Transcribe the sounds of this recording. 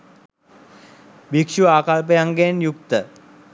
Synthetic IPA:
bikʂuaːkalp̬əjaŋɡenjuk̚t̪ə

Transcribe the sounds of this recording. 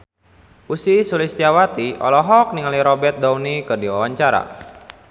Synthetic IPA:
usisulist̪iawat̪iɔ̰lɔɦɔk̚niŋaliɾɔbɛrt̪̚d̪aunikɨrdiwawaɲt͡ʃaɾa̰

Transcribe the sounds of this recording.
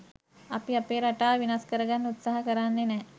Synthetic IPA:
ɐpiɐpeːɾɐʈaːʋinaskəɾɐɡanːut̪saɦɐkəɾanːenɛ

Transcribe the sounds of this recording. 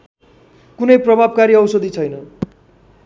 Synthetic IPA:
kunʌjprʌbʱab̚kaɾiʌwsʌd̪ʱit͡sʰʌjnʌ

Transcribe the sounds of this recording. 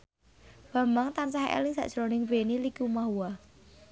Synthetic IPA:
b̥a̤mbaŋt̪ansaɦḛlɪŋsa̰ʔdʒ̥ɾonɪŋbenilikumaɦuwa

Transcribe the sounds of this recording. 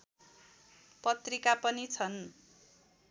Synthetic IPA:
pʌt̪rikapʌnit͡sʰʌn

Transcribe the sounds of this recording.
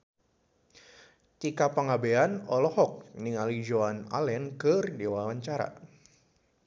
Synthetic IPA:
t̪ikapaŋabeanɔlɔhɔk̚niŋalid͡ʒoana̰lɛnkɨrdewawaɲt͡ʃaɾa̰

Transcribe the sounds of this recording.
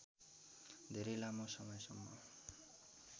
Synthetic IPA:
d̪ʱeɾʌjlamosʌmʌjsʌŋːʌ

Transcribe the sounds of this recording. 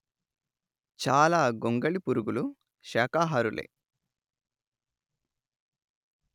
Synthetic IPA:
t͡ʃaːlaːɡoŋɡɐɭipuɾuɡulu | ʃɛːkaːɦɐɾulʔḛ

